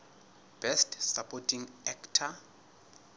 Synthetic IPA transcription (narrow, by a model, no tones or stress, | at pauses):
b̥ɛstsapʼɔtʰʼiŋɛktʰa